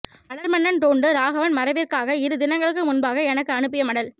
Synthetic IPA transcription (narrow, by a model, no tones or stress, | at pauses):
ɐɭɐɾmɐnːɐnt̪oːɳɖɯɾaːɣɐʋɐnmɐɾɐʋɪrkaːɣɐɪɾɯd̪ɪnɐŋɡɐɭɯk̬ːɯmʊnbaːɣɐɛnɐkːɯɐnɯp̬ːɪjɐmɐɽɐl